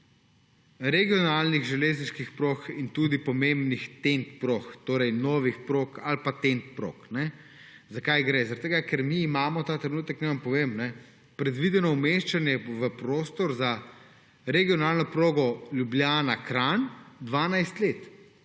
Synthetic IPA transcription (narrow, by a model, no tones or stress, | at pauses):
ɾɛɡijɔnaːlniɣʒɛleːzniʃkixpɾoːxint̪uːd̪ipɔmẽmbnixt̪ent̪pɾoxt̪oːɾɛjnɔːʋixpɾokalpat̪ent̪̚pɾo̰ːknɛ | zakajɡɾɛzɐɾaɐt̪ːeɡakɛɾmiːmaːmɔt̪aːt̪ɾɛnuːt̪əknɛʋampɔʋeːmnɛ | pɾɛd̪ʋid̪ɛnɔumeʃt͡ʃanjɛʋəpɾoːst̪ɔɾza | ɾɛɡijɔnaːlnɔpɾoːɡɔlʲjubljaːnakɾand̪ʋaːnajst̪leːt̪